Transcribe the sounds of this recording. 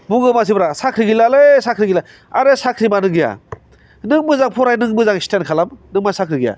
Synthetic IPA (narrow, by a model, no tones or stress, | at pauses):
buɡɯmas̬ibɾasakʰɾiɡilalesakʰɾiɡila | aɾesakʰɾibanɯŋɡija̰ | nɯŋbɯzaŋpʰɔɾajnɯŋbɯzaŋstenkʰalamnɯŋmasakʰɾiɡija̰